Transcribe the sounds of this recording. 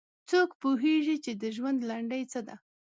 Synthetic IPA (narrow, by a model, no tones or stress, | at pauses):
t͡sokpoɦeʐit͡ʃed̪əʒwand̪laɳɖəjt͡səd̪a